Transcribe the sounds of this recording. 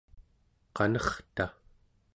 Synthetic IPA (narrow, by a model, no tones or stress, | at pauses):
qɑnʌχt̪a